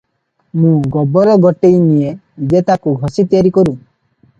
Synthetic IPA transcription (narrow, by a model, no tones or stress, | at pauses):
mũɡɔbɔɾɔɡɔʈejnije | d͡ʒet̪akuɡʱɔsit̪jaɾikɔɾũ